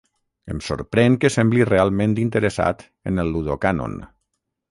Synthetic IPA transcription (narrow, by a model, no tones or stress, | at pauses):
əmso̰ɾpɾɛŋkəsɛmblirealˠmẽnt̪int̪əɾəsa̰t̪ | ə̰nəlːuðokano̰n